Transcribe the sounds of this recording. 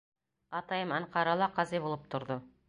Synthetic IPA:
ɑt̪ɑjəmɑɴqɑɾɑlˠɑqɑzibulˠɤp̚t̪ʰŏɾðo

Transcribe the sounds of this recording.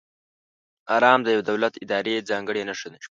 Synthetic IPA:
ɑːɾɑːmd̪əjawed̪awlat̪ɪd̪ɑɾed͡zɑːŋɡəɽenaʂod̪e

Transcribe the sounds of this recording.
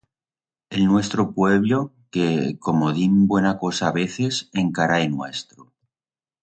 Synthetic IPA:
e̞lnwe̞st̪ɾopwe̞βlo | kekomoðimbwe̞nako̞saːβe̞θe̞seŋkaɾajnwe̞st̪ɾo

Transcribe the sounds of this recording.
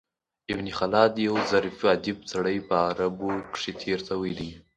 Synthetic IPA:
ɪbnixalɑd̪jawzaɾfiad̪ɪb̚t͡saɽəjpəaɾabokʂet̪ʰeɾt̪ʰawəjli

